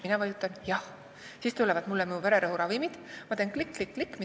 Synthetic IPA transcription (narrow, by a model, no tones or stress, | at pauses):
minɑvɑjut̪ːˑɑnjɑh | siːst̪ulːɛvɑd̪mulːɛminuve̞ɾeɾɤɦuɾɑvimid̪̥mɑt̪e̞ːnklikːlikːlikːmi